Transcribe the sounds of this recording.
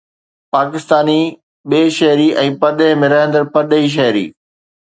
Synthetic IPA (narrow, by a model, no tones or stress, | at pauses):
paːkɪst̪aːni | ɓeːʃɐɦɾiʔɛ̃ːpɐɾɗəɦɪmẽɾɐɦə̃nd̪əɾpɐɗɦiʃ̬ɐɦɾḭː